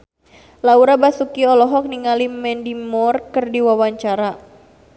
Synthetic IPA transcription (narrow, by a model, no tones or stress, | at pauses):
lauɾabasukiɔlɔɦɔk̚niŋalimɛndimɔrkɨrdiwawaɲt͡ʃaɾa